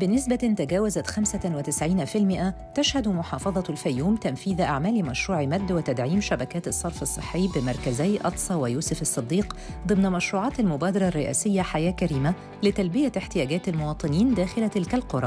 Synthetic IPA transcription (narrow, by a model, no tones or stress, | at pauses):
bɪnɪsbæʔɪnt̪æɡæːwæzæt̪xæmsæwɪt̪ɪsʕiːnfilmɪʔæ | t̪æʃhæd̪mʊħɑːfɑðˤɑlfæjːuːmt̪æmfiːðʔa̰ʕmæːlimæʃɾuːʕimæd̪ːwɪt̪æd̪ʕiːmʃæbækæːt̪ɨsˤːɑɾˤfɨsˤːɨħːejːbɪmɑɾˤkæzæjʔɑt̪sˤɑwɪjuːsʊfɨsˤːɨd̪ːiːqd̪ˤɨmnæmæʃɾuːʕɑːt̪almʊbæːd̪ɑɾˤɑrːɪʔæ̰ːsɪjːæħajæːkæɾiːmæ | lɪt̪ælbɪjæɪħt̪ɪjæːɡæːt̪almowɑːt̪ˤɨniːnd̪æːxɪlæt̪ɪlkælqoɾˤɑ